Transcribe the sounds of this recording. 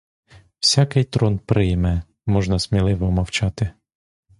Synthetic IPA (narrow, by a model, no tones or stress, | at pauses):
w̥sʲakɪjt̪ɾɔnpɾɪjmɛ | mɔʒnɐsmʲilˠɪʋɔmɐwt͡ʃɑt̪ɪ